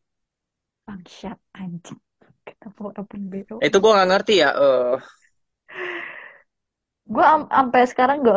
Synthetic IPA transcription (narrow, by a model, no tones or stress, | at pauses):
aŋʃat̪̚aɲd͡ʒi | ki̥napoɾapunbeɾoit̪uɡuaŋaŋərt̪ijaʔə | ɡuaampɛsə̥kaɾaŋɡa